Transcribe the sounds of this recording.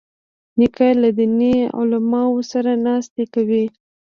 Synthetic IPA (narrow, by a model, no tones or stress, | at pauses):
nikajlad̪inḭa̰wlamɑwosaɾanɑst̪ekawi